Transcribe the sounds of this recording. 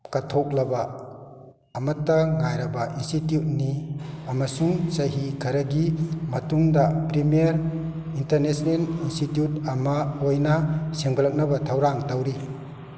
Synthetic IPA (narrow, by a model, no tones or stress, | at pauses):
katʰok̚lɐba | mɐtːaŋajɾɐbaʔinstitjut̚niɐmɐsuŋsɐɦikʰɐɾɐɡimɐtuŋdapɾimiaɾ | inteɾnesnelinstitjut̚ɐmaojnaseŋbalɐk̚nɐbɐtʰawɾaŋtawɾi